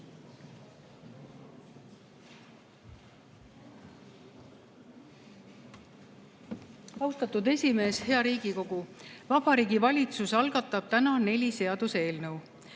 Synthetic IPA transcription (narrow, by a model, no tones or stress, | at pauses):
ɑwst̪ɑt̪ːˑud̪e̞sʲime̞ːshe̞ɑɾiːɡ̥iko̞ɡ̥uvɑb̥ɑɾiːɡivɑlʲit̪susɑlɡ̥ɑt̪ˑːɑb̥̚t̪ænɑne̞lʲise̞ɑd̪̥use̞ːlnɤw